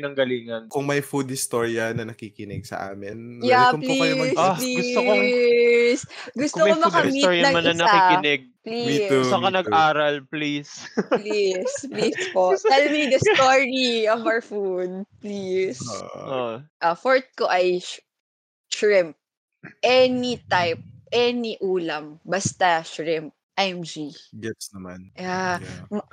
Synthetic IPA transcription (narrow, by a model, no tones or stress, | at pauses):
nɐŋɡɐliːŋɐnkʊŋmɐjfud̪̚hɪst̪oːɹjɐnɐnɐkiːkɪnɪɡ̚sɐ̰ʔa̰ːmɪnjampliɐjosoliɡʊst̪o | sɡʊst̪okomɐkɐmioɹjɐɐmɐnɐnɐkikɪnɪɡ̚pliosɐkɐnɐɡ̚ʔaːɾɐlplisplisplispoɛlmid̪ɐsoɹiɔvɹfud̪̚plisoʔʔɐfoɹt̪̚koʔɐj | ʃɹɪmp̚ | ʔɛnit̪ajp̚ʔɛniʔuːlɐmbɐst̪ɐʃɹɪmp̚ʔɛmd͡ʒiɡɛsnɐma̰njam